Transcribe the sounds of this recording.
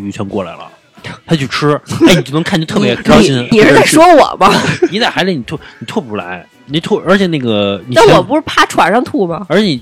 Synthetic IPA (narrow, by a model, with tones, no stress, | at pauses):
y˧˥t͡ɕʰɥɛ˧˥nkwɔ˥˩la̰˧˥ɪlə̰˧ | t̪ʰa˥t͡ɕjo˥˩ʊʈ͡ʂʰɻ̩˥ni˧˨˩t͡ɕo˥˩n˧˥ŋkʰo˥˧t̪ʰɤ˥˧˩pjɛ˧˥˧i˥˧i˧˩ʂɻ̩˧˥a˥˩ɪʂwɔ˥wɔ̰˨˩˦mɐ˦ni˨˩t͡sa˥˩xa˧˥li˧˩n˨˩t̪ʰɔ˥˩ni˨˩t̪ʰwɔ˥˧˩pu˧˩la̰˧˥ɪ | ni˧˩t̪ʰɔ˥˩ə˞˧˥t͡ɕʰjɛ˨˩na˥˩ɡə˩ni˨˩a˥˩wɔ˥˨˩pu˧˥ʂɻ̩˥˩pʰa˥˩ʈ͡ʂʰwa̰˨˩nʂɑ˥˧ŋt̪ʰu˥˩mɐ˨˩ə˞˧˥t͡ɕʰjɛ˧ni˨˩